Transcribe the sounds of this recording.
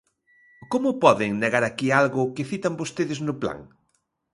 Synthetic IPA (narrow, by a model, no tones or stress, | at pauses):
komʊpɔðɪŋneɣaɾakialɣʊkɪfit̪ambost̪eðɪznʊpla̰ŋ